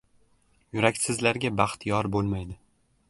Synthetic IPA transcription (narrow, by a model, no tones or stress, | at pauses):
jʊɾakʲsɪzlaɾɡʲabɑχt̪ʰjɒɾbolˠmajd̪ɪ